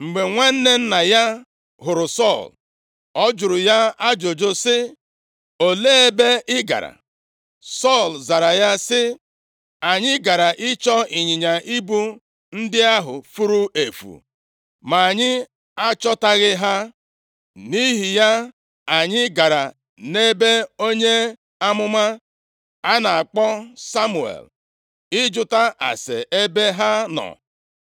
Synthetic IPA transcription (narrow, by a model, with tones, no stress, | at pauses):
ŋ͡m̩˨ɡ͡be˨ŋʷe˦n̩˦ne˦n̩˦na˨ja˦ | ɦʊ˨ɾʊ˨sɔ˦˨l | ɔ˦d͡ʒʊ˨ɾʊ˨ja˦a˦d͡ʒo˨d͡ʒo˦sɪ˦ | o˨le˦e˨be˦ʔɪ˦ɡa̰˨ɾa̰˨ | sɔ˦˨lza˨ɾa˨ja˦sɪ˦ | a˨ɲɪ˦ɡa˨ɾa˨ʔɪ˦t͡ʃɔ˦i˨ɲɪ˨ɲa˨ʔi˦bu˦ | n̩˦dɪ˦a˦ɦʊ̰˨fu˦ɾu˦e˨fṵ˨ | ma˨a˨ɲɪ˦ | a˦t͡ʃɔ˦ta˦ɣɪ˦ɦa˦ | ni˦ɦi˨ja˦ | a˨ɲɪ˦ɡa˨ɾa̰˨ | ne˦be˦o˦ɲe˦ | a˦mʊ˦ma˦ | a˦na˨a˨k͡pɔ˦sa˦mu˨ḛ˨l | ɪ˦d͡ʒʊ˦ta˦ʔa̰˨sḛ˨ʔe˦be˦ɦa˦nɔ̰˨